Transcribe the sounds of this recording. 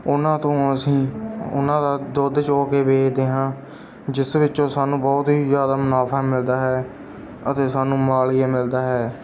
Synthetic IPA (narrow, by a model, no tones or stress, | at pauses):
ʊnãːt̪õːəsĩːʊ̰nãːd̪aːd̪oːd̪t͡ʃoːkeːbeːkd̪eːɦãː | d͡ʒɪsʋɪt͡ʃõːsaːnũːbɔːt̪ɦiːzjaːd̪aːmʊnaːpʰaːmɪld̪aːɦɛː | ət̪eːsaːnũːmaːlɪːaːmɪld̪aːɦɛː